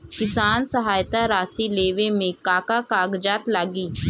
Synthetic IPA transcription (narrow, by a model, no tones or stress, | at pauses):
kɪsaːnsəɦaːjt̪aɾaːsileːʋemẽkaːkakaːɡd͡ʒaːt̪laːɡiː